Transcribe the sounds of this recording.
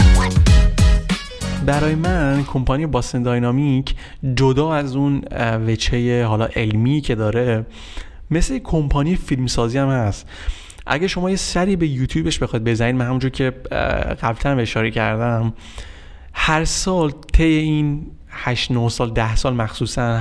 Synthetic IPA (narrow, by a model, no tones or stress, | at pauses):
bæɾɒːjemænkʰompʰɒnijebɒst̪end̪ɒjnɒːmicʰ | d͡ʒod̪ɒːæzunvet͡ʃʰejeɦɒːlɒ̰ːʔe̞lmicʰe̞d̪ɒːɾe̞ | me̞slejekʰo̞mpʰɒːnijefilmsɒːziːæmhæst̪ | ʔæ̰ɟæɾʃo̞mɒːjesæɾiːbe̞jut̪ʰjuːbeʃbe̞xɒːid̪̚be̞zænid̪mænhæmund͡ʒoɾcʰe̞ɣ̥æblt̪ʰænbeʃɒːɾecʰæɾd̪æm | hæɾsɒːlt̪ʰe̞jein | hæʃnohsɒːld̪æhsɒːlmæxsuːsæn